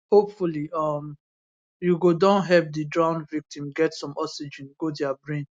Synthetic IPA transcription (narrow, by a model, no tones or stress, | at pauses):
hopfuliʌm | juɡodãnɦɛvdidɹãʊ̃ndvik̚tĩmɡɛtsɔ̃mɔksid͡ʒĩnɡodɛabɹẽn